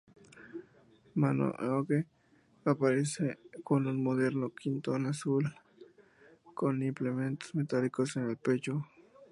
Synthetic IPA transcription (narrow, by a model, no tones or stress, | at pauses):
mano̰ʔoke | apaɾesekonunmoðeɾnokint̪onasul | konimplement̪o̥smet̪alikosenelpet͡ʃo